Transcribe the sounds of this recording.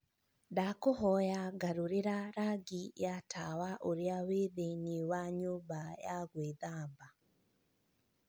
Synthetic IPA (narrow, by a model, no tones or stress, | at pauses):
dakoɦɔjaɡaɾuɾeɾaɾaɡijatʰawaʔoɾjaweðeniwaɲobajaɡweðamba